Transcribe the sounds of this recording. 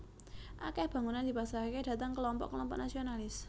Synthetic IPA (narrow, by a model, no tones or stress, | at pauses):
ʔakɛhb̥ä̤ŋunand̪̥i̤pasaked̥a̤t̪aŋkəlɔmpɔ̰ʔkəlɔmpɔ̰ʔnasionalɪs